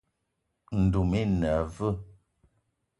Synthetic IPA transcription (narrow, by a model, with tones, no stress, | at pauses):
n̩˨du˨mi˦nə˨və˦˨